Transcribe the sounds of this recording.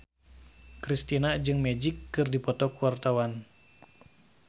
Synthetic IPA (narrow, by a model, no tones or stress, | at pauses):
kɾist̪inad͡ʒɨŋmɛd͡ʒikːɨrdipɔt̪ɔkuwart̪awan